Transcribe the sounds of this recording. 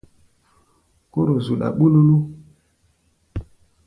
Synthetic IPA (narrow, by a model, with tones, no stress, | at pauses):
ko˦ɾo˨zu˨ɗa̰˨ɓu˦lu˦lu˦